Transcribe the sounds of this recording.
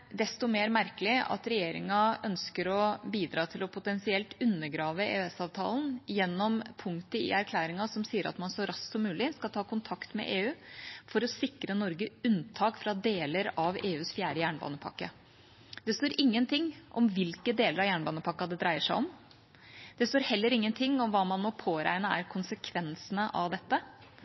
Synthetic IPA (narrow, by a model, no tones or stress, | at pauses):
d̪ɛst̪ɔmeːɾmæɾkəlɪɑ̰t̪ɾɛjeːɾɪ̰ŋɑœnskəɾɔbiːd̪ɾɑːt̪ʰɪlɔpʰʊt̪ɛnsɪɛlt̪ʉnːəɾɡɾɑːʋəḛːʉɛsɑːʋt̪ʰɑ̰ːln̩jɛnːɔmpʰʊŋt̪əɪ̰æɾkʰlæːɾɪŋɑsɔmsiːəɾɑ̰t̪mɑnsɔɾɑssɔmːʉːlɪskɑlt̪ʰɑːkʊnt̪ʰɑkt̪mɛ̰ʔeːʉːfɔɾɔsɪkɾənɔɾɡəʉnt̪ʰɑːkfɾɑd̪eːləɾɑʋeːʉːsfjæːɖəjæːɳbɑ̰ːnəpʰɑ̰kːə | d̪ɛst̪oːɾʔɪŋːənt̪ʰɪŋːʔɔ̰mʋɪlkəd̪eːləɾɑʋjæːɳbɑːnəpʰɑkːɑd̪ɛd̪ɾæɪəʂæɪɔm | d̪̥ɛst̪oːɾhɛlːəɾɪŋːənt̪ʰɪŋːɔmʋɑːmɑnmɔpʰoːɾæ̰ɪnəæ̰ɾkʰʊnsəkʰʋɛnsənəʔɑ̰ʋd̪ɛt̪ːə